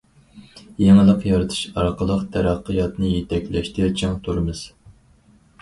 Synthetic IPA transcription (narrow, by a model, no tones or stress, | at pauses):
jɛŋɨlˠəqjɑɾɨt̪ʰɨ̥ʃɑɾqəlˠəqt̪ʰæɾæqːəjɑt̪nɨjet̪ʰɛkʲlɛʃt̪ɪt͡ʃʰɪŋt̪ʰuɾɨmɨz̥